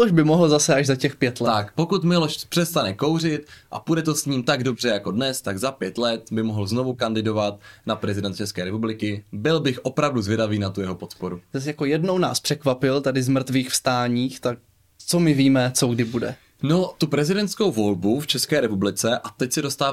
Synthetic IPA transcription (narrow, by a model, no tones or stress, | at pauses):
mɪoʃbɪmoɦl̩zasɛaʒzacɛxpjɛt̪lɛakpo̞kut̪mɪlo̞ʃpr̥ɛst̪anɛko̞wr̝ɪt̪ʔa̰pudɛt̪o̞sɲiːmt̪aɡdo̞br̝ɛjako̞dnɛst̪aɡzapjɛt̪lɛt̪̚bɪmoɦl̩zno̞vukandɪdo̞vat̪̚napɾɛzɪdɛnt̪̚t͡ʃɛskɛːɾɛpublɪkɪbɪlbɪxʔo̞pɾavduzvjɛdaviːnat̪ujɛɦo̞pot̪po̞ɾuzasjako̞jɛdno̞wnaːspr̥ɛkvapɪlt̪adɪzmr̩t̪viːxfst̪aːɲiːxt̪ak̚ | t͡somɪviːmɛt͡soɡdɪbudɛ̰ | not̪upɾɛzɪdɛnt̪sko̞wvo̞lbuft͡ʃɛskɛːɾɛpublɪt͡sɛʔat̪ɛcsɛdost̪aːv